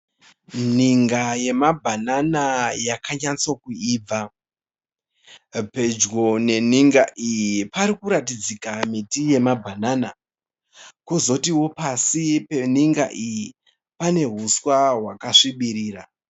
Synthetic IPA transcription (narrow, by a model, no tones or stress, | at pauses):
niŋɡaje̞mabʱananajakaɲat͡so̞kuiːb͡va | pe̞d͡ʒɡo̞ne̞niŋɡaʔijipaɾikuɾatid͡zikamitije̞mabʱanana | kozo̞tiwo̞pasipe̞niŋɡa̰ʔiji | pane̞ɦuswaɦwakaʂiɓiɾiːɾa